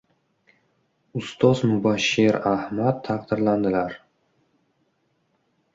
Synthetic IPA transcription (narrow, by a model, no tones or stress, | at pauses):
ʊst̪ʰɒzmʊbaʃːeɾahmat̪ʰːaqd̪ɪɾland̪ɪlaɾ